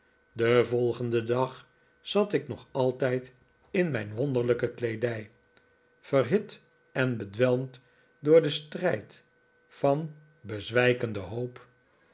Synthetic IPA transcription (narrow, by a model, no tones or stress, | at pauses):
dəvɔlˠχəndədɑχ | z̥ɑtɪknɔχɑlˠtɛjt | ɪnmɛjnʋond̪əɹləkəklejdɛj | fərɦɪt | ɛnbədʋɛlˠmt | dʊːɹdəstrɛjt | fɑn | bəzʋɛjkəndəɦowp